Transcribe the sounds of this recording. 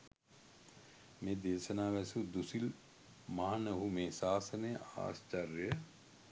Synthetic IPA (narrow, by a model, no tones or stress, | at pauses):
meːd̪eːʃənaːʋɛsud̪usil | maɦɐnɐɦumeːsaːsəneja̰ːst͡ʃɐrjə